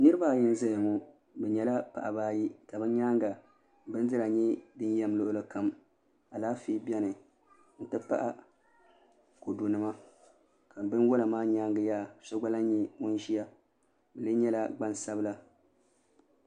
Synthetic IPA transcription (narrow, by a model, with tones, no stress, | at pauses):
nɨ˦ɾɨ˦ba˦˨jɪ˦n˦zɛ˦jŋɔ˦ | bɛ˨ɲɛ˨la˦pa̰˨ʔa˨baː˦ji˦ka˨bɨ˦ɲaː˦ŋɡa˨ | bɨ˦n˦dɨ˦ɾa˨ɲɛ˦dɨ˦njɛ˦m˦lʊ˦ʔʊ˦lɨ˦ka˦m | a˨laː˦fiː˦bɛ˦nɨ˨ | n̩˦˨tɨ˦pa̰˦ʔa˦ | ko˨du˨nɨ˦ma˦ | ka˨m˨bɨ˦n˦wo˦la˨maː˦ɲaː˦ŋɡɨ˨ja˦˨so˦ɡ͡ba˦la˦ɲɛ˦mʊ˦n˦ʒi˦ja˦ | bɛ˨lɨ˦ɲɛ˦la˦ɡ͡ba˦nsa˦bla˦